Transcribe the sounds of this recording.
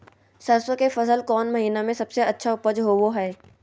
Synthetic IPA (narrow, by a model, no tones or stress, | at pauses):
saːsəkefɐsəlkɔːnmɐɦiːnamẽsɐbseɐtːʃʰaʊpəd͡ʒɦowoɦɛː